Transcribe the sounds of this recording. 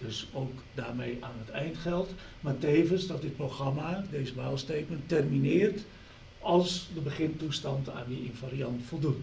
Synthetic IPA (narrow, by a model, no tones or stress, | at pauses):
døsoːk | daːrmejaːnətʰɛjntχɛlˠt | maːteːvənsdɔt̚dɪt̚proxramadeːzəʋaːlˠstejt̚məntɛrminɪːrt | ɔlˠsdəbəχɪntustɑnta̰njəinfaɾiɑntfolˠdut